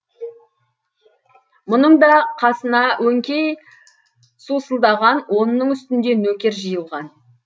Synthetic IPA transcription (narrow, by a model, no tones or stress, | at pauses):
mʊnəɴd̪ɑqʰɑsənɑwɵŋkʲej | susəlˠd̪ɑʁɑnwʔo̞nənːəɴʏst̪ɪnd̪e̞nɵkʲe̞ɾʒəjəlˠʁɑn